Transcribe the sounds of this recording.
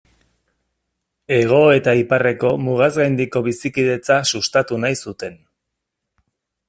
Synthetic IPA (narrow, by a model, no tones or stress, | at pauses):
e̞ɣ̞o̞e̞t̪aipare̞ko̞muɣ̞azɣajnd̪iko̞βisikiðe̞t͡sasust̪at̪unajsut̪e̞n